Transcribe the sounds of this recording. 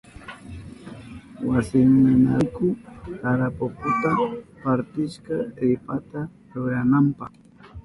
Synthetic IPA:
wasɪŋmʊnakʊkaɾapokʊt̪apaɾt̪ɪʃkaɾɪpat̪a | ɾʊɾanampɑ̰χ

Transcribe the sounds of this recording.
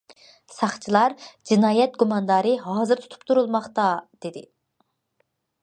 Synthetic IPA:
sɑχt͡ʃʰilˠɑɾd͡ʒinɑːjɛt̪̚ɡumɑnd̪ɑːɾɨɦɑːzɨɾt̪ʰu̥t̪ʰu̥pt̪ʰuɾulˠmɑχt̪ɑd̪̥ed̪ɪ̰

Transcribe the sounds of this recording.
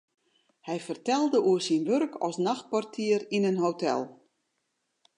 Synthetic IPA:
hɛjfərtɛlˠdəʔuərsinʋørkʰɔ̰snaxt̚pɔrtʰiəɾinənɦowtʰɛ̰lˠ

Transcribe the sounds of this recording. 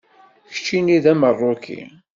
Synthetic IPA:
çə̥t͡ʃːiniðæmərˤːokʰḭ

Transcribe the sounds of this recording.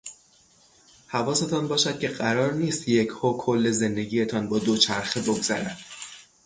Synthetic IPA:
hævɒːse̞t̪ʰɒnbɒːʃæd̪̚cʲʰe̞ɢæɾɒːɾniːst̪je̞cʰhoːkʰolːe̞ze̞nd̪e̞ɟiːje̞t̪ʰɒːnbɒːd̪ot͡ʃʰæɾxebo̞ɡzæɾænd̪̥

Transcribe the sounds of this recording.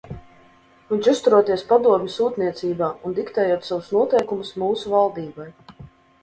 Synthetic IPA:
vinʲt͡ʃust̪uɾuɔt̪iɛspad̪uɔmʲisuːt̪niɛt̪siːbaːund̪ikt̪ɛːjuɔt̪savusnuɔt̪ɛjkumusmuːsuvalˠd̪iːbaj

